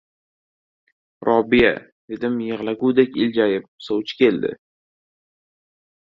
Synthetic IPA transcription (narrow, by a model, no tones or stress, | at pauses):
ɾʔɒbɪja̰ | ved̪ɪmjəʁlˠaɡʲuːd̪ekʲɪld͡ʒajɪp̚sowt͡ʃʰkʲʰe̞ld̪ɪ̰